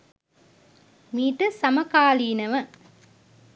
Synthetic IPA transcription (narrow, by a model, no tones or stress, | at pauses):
miːʈɐsɐmɐkaːliːnɐʋɐ